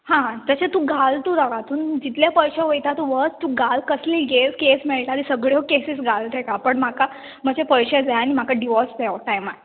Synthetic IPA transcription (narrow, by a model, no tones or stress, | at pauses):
hãt̪əɕet̪ũɡalt̪ud̪aɡat̪uːnd͡ʑit̪ljapəjɕeʋəjt̪at̪uʋət͡st̪ũɡalkəsliɡeskesmeɭʈ̪aɾisəɡɭjokesisɡalt̪ʰekapəɳmaka | m̤əd͡ʑepəjɕed͡zajanim̤akaɖiʋɔsd͡zaoʈajma